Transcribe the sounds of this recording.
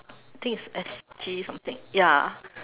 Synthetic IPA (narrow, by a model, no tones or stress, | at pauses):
at̪ʰɪ̃ŋkɪsɛsd͡ʒisʌ̃mθɪ̃ŋja